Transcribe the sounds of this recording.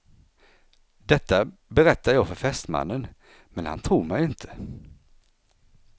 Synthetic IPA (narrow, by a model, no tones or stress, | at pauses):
d̪̥ɛt̪ːabɛɾɛt̪ːajɑːɡfœɾfɛst̪ma̰nːən | mɛnha̰nt̪ʰɾuːɾmɛjɪnt̪ʰə̥